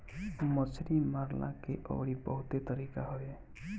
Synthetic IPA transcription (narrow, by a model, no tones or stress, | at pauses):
mʌt͡ʃɾimaɾla̰keʔɔ̰bɽibɔ̰ɦut̪et̪ʌɾikaɦoe